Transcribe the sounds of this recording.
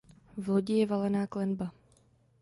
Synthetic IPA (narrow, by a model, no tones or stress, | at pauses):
vloɟɪjɛvalɛnaːklɛnba